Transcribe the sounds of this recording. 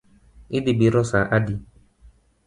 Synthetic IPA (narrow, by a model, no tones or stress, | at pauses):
idibiɾɔsaʔadi